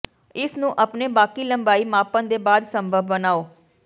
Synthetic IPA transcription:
ɪsnũːʔəpneːbaːkiːləmbaːiːmaːpə̃nd̪eːbaːd̪səmbʱəbːənaːoː

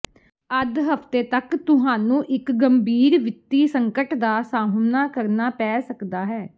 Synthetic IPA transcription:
əd̪ɦəpʰt̪eːt̪əkt̪ʊɦaːnũːʔɪkɡəmbiːɾʋɪt̪ːiːsəŋkəʈd̪aːsaːmnaːkəɾnaːpɛːsəkd̪aːɦɛː

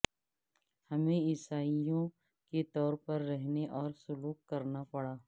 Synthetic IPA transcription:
hɐmẽɪsaːijõ | ket̪ɔːɾpɐɾːɛɦneʔɔːɾsʊluːkːɐɾnapɐɽaː

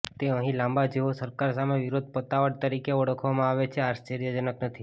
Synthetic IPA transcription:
t̪eəɦĩlãmbad͡ʒeosəɾkaɾsameʋiɾod̪̚ʱpət̪aʋəɽt̪əɾikeɔɽəkʰʋamãaʋet͡ʃʰeaʃt͡ʃeɾijəd͡ʒənəknət̪ʰi

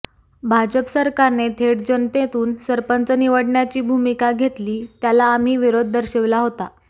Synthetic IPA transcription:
bʱad͡ʑəpsəɾkaɾnet̪ʰeɽd͡ʑənt̪et̪uːnsəɾpənt͡səniʋəɽɳjat͡ɕiːbʱumikaɡʱet̪liːt̪jalaːm̤iːʋiɾod̪̚ʱːəɾɕeʋlaɦot̪a

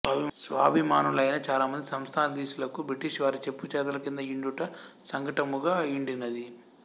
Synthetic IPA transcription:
sʋaːbʱimaːnulɐjnɐt͡ʃaːlaːmɐnd̪isɐmst̪ʰaːnɐd̪iːʃulɐkubɾiʈiʃʋaːɾit͡ʃe̞pːut͡ʃɛːd̪ɐlɐkind̪ɐiɳɖuʈɐsɐŋɡɐʈɐmuɡaːiɳɖinːɐd̪i

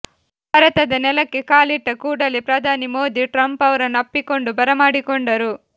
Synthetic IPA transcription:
bʱaːɾɐt̪ɐd̪ɐnɛlɐkːekaːliʈːɐkuːɽɐlipɾɐd̪ʱaːnimoːd̪iʈɾɐmpɐʋɐɾɐnɐpːikoɳɖubɐɾɐmaːɽikoɳɖɐɾu

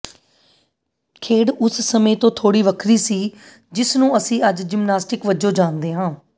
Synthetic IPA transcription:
kʰeːɽʊssəmẽːt̪õːt̪ʰoːɽiːʋəkʰɾiːsiː | d͡ʒɪsnũːəsĩːəd͡ʒd͡ʒɪmnaːsʈɪkʋəd͡ʒõːd͡ʒaːnd̪eːɦãː

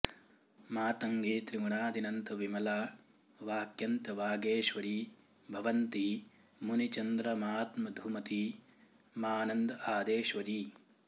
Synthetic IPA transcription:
maːt̪ɐŋɡeːt̪ɾimuɳaːd̪ʱinɐnt̪ɐʋimɐlaː | ʋaːkjɐnt̪ɐʋaːɡeːʃʋɐɾi | bʱɐʋɐnt̪i | munit͡ʃɐnd̪ɾɐmaːt̪mɐd̪ʱumɐt̪i | maːnɐnd̪ɐaːd̪eːʃʋɐɾi

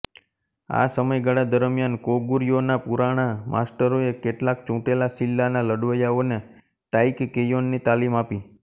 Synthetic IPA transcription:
a̰səməjɡəɽad̪əɾmjankoɡuɾjonapuɾaɽ̃amʔa̰sʈəɾoekeʈlak̚t͡ʃũʈelasilːanaləɖʋəjaone | t̪aikːejonːit̪alimapi

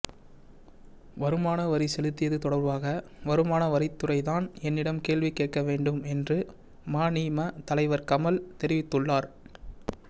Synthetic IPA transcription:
ʋɐɾɯmaːnɐʋɐɾisɛlɯt̪ːɪjɐðɯt̪ɔɽɐɾʋaːɣɐ | ʋɐɾɯmaːnɐʋɐɾɪt̪ːɯrɐɪðaːnɛnːɪɽɐmkeːɭʋikeːʈ̚kɐʋeːɳɖɯmɛndrɯ | maːniːmɐt̪ɐlɐɪʋɐɾkɐmɐlt̪ɛɾɪʋɪt̪ːɯɭːaːɾ

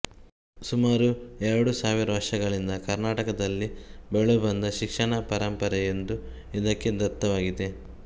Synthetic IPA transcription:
sumaːɾuɛɾɐɽusaːʋiɾɐʋɐɾʂɐɡɐɭind̪ɐkɐɾnaːʈɐkɐd̪ɐlːibeɭubɐnd̪ɐʃikʂɐɳɐpɐɾɐmpɐɾɐend̪u | id̪ɐkːe̞d̪ɐt̪ːɐʋaːɡid̪e̞

